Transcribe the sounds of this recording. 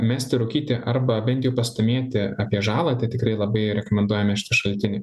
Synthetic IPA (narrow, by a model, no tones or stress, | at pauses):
mʲæːsʲt̪ʲɪɾʊkʲiːt̪ʲɪʔɐɾbɐbʲɛnt̪ʲjɛʊpɐst̪ɐmʲeɛt̪ʲɪɑːpʲiɛʒɑːlˠɐːt̪ɐɪt̪ʲɪkɾɐɪlˠɐbɐɪɾʲɛkomʲɛnd̪uɔjɛmʲɛʃʲɪ̥t̪ɐʃɐlʲt̪ʲɪnʲɪɪ